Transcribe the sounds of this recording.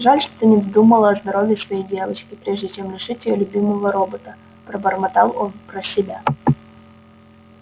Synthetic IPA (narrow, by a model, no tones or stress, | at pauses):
ʐalʲʂt̪o̥t̪ɨnʲɪd̪ɐd̪uməlˠəɐzd̪ɐɾovʲɪsvɐjejdʲe̞vət͡ɕkʲɪpɾʲeʐdʲɪt͡ɕemlʲɪʂɨtʲjɪjolʲʊbʲiməvəɾobət̪ə | pɾəbərmɐt̪ɑ̰lˠonpɾəsʲɪbʲa